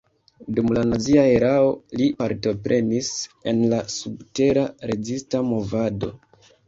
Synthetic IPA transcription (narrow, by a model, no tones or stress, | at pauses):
dumlanaziae̞ɾao̞lipaɾto̞pɾe̞nise̞nlasub̚te̞ɾaɾe̞zistamo̞vado̞̰